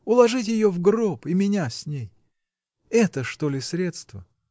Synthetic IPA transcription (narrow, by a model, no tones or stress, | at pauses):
ʊlˠɐʐɨtʲjɪjovɡropɪmʲɪnʲasʲnʲej | ɛt̪əʂt̪olʲɪsʲɾʲet̪st̪və